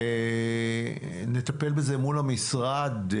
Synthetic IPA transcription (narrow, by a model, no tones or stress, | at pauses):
ne̞t̪ape̞lbeze̞mulamisʁad